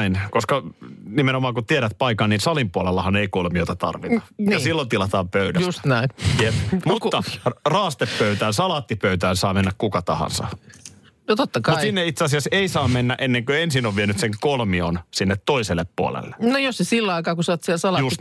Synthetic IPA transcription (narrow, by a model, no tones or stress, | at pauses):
inkoskɑnimenomɑːŋkut̪ieɾæt̪̚pɑikɑnniːnsɑlimpuolelːɑhɑneikolmioit̪ɑt̪ɑ̰rʋit̪ɑ̥jɑsilːont̪ilɑt̪ɑːmpøydæjust̪næinjepmut̪ːɑrɑːst̪epːøyt̪æːnsɑlɑt̪ːipøyt̪æːnsɑːmenːækkukɑt̪ɑhɑ̰nsɑ̰ | not̪ot̪ːɑkɑutisinːeit̪seɑsiɑseisɑːmenːæʔenːeŋkøensinːoʋʋienyt̪seŋkolmionsinːet̪toiselːeppuo̰lḛlːe̥nojossesilːɑikɑːkusɑːt̪siɛlsɑlɑjust̪